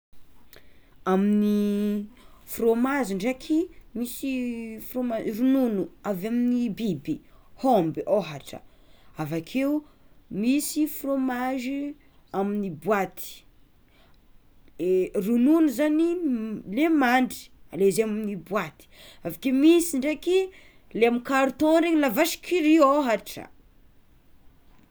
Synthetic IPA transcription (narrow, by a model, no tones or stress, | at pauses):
amini | fromaziɳɖ͡ʐakʰimisifromarununuavaminibibihomboɦaʈ͡ʂə̰ | avakʰeumisifromaʒi | aminibwat̪ʰi̥ | erununuzanilemaɳɖ͡ʐi̥alezeaminibwat̪i̥avakemisiɳɖ͡ʐeki | leamikaɾt̪õɾeɲilavaʃi̥kʰiɾioɦaʈ͡ʂə̰